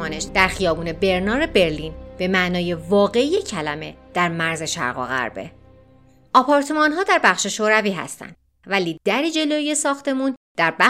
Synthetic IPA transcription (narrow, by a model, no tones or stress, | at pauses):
ɒːneʃd̪̥æɾxijɒːbuːne̞be̞ɾnɒːɾe̞be̞ɾliːnbe̞mæʔnɒːje̞vɒːɣe̞ijecʰælæme̞d̪̥æɾmæɾze̞ʃæ̰ɾɣɒ̰ːɣæ̰ɾbe̞̰ | ʔɒːpʰɒɾt̪ʰe̞mɒːnɦɒːd̪æɾbæχʃe̞ʃoːɾæviːɦæ̰st̪æ̰nd̪̥ | væliːd̪æɾiːd͡ʒe̞loije̞sɒːxt̪e̞mũːnd̪̥æɾbæ